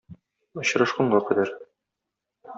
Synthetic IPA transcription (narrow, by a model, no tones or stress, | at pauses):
ŏɕɤ̆ɾɤ̆ʃqɤ̆ɴɢɑkɘ̆d̪æɾ